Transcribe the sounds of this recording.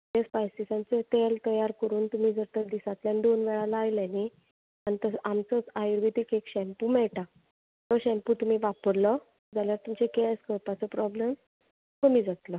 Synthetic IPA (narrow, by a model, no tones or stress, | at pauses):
t̪espajsisãnt͡set̪elt̪əjaɾkəɾuːnt̪um̤iːd͡zəɾt̪əɾd̪isãt̪ljanid̪onʋɛɭalaajlani | anit̪əamt͡sət͡sajiɾʋit̪ikekɕɛmpuːmɛɭʈa | t̪əɕɛ̃mpuːt̪um̤iːʋapəɾlə | d͡zaljaɾt̪umt͡ɕekɛskəɾpat͡səpɾɔbləm | təmiːd͡zat̪lə